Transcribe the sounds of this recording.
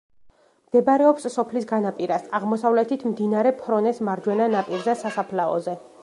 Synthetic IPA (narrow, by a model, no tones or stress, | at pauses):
md̪̥ɛbaɾɛɔpsːɔpʰlisɡanapʼiɾasaʁmɔsavlɛt̪ʰit̪ʰmd̪inaɾɛpʰɾɔnɛsmaɾd͡ʒwɛnanapʼiɾzɛsasapʰlaɔ̰zɛ